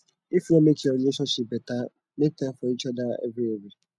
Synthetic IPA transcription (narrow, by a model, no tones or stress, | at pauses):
ifiɔmet͡ʃiɔɾileʃɔ̃nʃip̚beta | nɪtɛ̃fɔit͡ʃɔdaḛvieve